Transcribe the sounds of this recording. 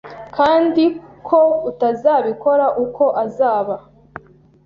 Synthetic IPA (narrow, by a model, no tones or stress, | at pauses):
kaːndikʰoutazaːβiko̞ɾaʔuko̞ʔazaːβa